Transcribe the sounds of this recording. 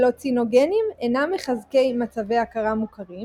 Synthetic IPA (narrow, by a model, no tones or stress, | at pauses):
lo̞t͡sino̞ɡenimenamːeχazke̞jmat͡save̞jakaʁamukaʁi